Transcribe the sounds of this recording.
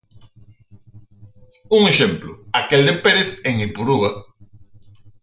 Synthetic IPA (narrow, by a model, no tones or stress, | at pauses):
uŋeʃemplʊ̰akeld̪epeɾeθeŋilpuɾuɣa